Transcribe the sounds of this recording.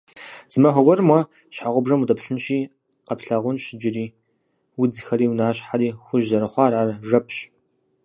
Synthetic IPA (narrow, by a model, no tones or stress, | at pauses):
z̥mɐħʷɔɡʷɔrmwɐ | ɕħaʁʷʊbʐɐmudɐpɬɨnʃiː | qɐpɬɐʁʷʊnɕɪd͡ʒɪriː | wʊd͡zxɐɾiːwnaːɕħaɾiːxʷʊʒzɐɾɐχʷɑːrʕarʒɐpʰɕ